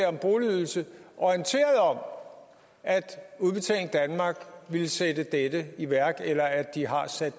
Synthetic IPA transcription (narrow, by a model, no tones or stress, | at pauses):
ɒ̽mb̥o̝ːliyð̞ˠl̩səʔɒnt͡sʰe̝̰ːɐð̞̩ˠɒ̽m | ʔæd̥uðˠb̥e̝t͡sʰɛ̰ːlŋ̩d̥ænmɑ̈ɡ̥ʋilsed̥əd̥ed̥əiʋæɐ̰ɡ̥elɐæd̥ːiɦɑ̈sæd̥